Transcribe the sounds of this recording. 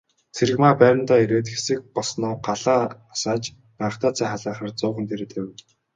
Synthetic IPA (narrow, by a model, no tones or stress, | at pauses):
t͡sʰeɾɘ̆ɣmaːpæːɾʲə̆nt̪aːiɾeːt̪xesɘ̆k̚pɔɮsnʊːɢaɮaː | saːt͡ɕ | pæə̆χt̪ʰaːt͡sʰæːχaɮaːχə̆rt͡sʊːχə̆nt̪ʰeɾet̪ʰew̆